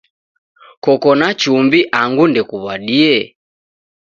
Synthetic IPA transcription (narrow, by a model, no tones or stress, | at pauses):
kɔkɔnat͡ʃumbiʔaŋɡundɛkuβaɗiɛ